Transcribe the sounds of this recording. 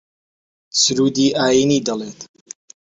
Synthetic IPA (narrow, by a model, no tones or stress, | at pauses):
sɨɾuːd̪iːʔaːjiːniːd̪ɐleːt̪